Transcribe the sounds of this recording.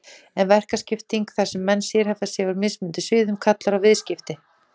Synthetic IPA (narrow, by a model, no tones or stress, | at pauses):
ɛnvɛr̥kascɪft̪iŋkθḁsɛmːɛnːsjɛɾhɛvðasjɛvaɾmɪsmʏnt̪ɪsʏːðʏmkʰat̪laɾavɪðscɪft̪ɪ